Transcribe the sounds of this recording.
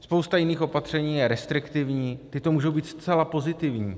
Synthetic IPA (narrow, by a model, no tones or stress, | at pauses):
spo̞wst̪ajɪniːxo̞pat̪r̝̥ɛɲiːjɛɾɛst̪ɾɪkt̪ɪvɲiːt̪ɪt̪o̞muːʒo̞wbiːt̪st̪t͡sɛlapo̞zɪt̪ɪvɲḭː